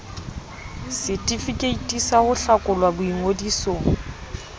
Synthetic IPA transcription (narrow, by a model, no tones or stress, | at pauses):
sɪtʼifikʼeitʼisahʊɬakʼʊlwabʊiŋodiːsɔ